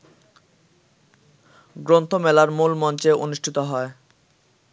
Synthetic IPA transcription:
ɡɾont̪ʰomɛlaɾmulmɔnt͡ɕeonuʃʈʰit̪oɦɔe

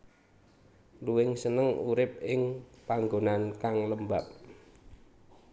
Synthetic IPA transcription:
luwɪŋsənəŋuɾɪp̚ɪŋpaŋɡonankaŋləmbap̚

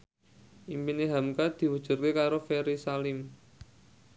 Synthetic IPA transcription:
ʔimpineɦamkad̪̥i̤wəd̥ʒ̥ṳrkekaɾofeɾisalɪm

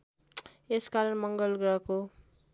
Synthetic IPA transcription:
eskaɾʌnmʌŋɡʌlɡɾʌko

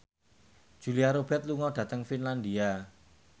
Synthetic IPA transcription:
d͡ʒ̥ṳliaɾob̥ɛt̪̚luŋɔd̥ä̤t̪əŋfinland̪ia

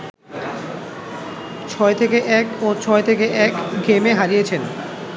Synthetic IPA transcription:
t͡ɕʰɔet̪ʰekeʔɛkot͡ɕʰɔet̪ʰekeʔɛkɡemeɦaɾijet͡ɕʰen

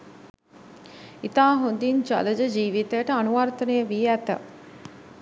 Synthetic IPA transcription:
it̪aːɦond̪iɲt͡ʃa̰ləd͡ʒəd͡ʒiːʋit̪əjəʈəanuʋart̪ənejəʋiæt̪ə̰

